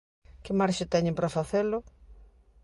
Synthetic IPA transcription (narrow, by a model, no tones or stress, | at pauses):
kɪmaɾʃɪt̪ɛɲɪmpɾafaθelʊ